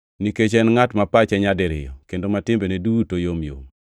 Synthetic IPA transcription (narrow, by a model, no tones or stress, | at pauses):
niket͡ʃɛnŋatmapat͡ʃɛɲadɪɾɪ̰jɔ̰kendomatɪmbenedutojomjo̰m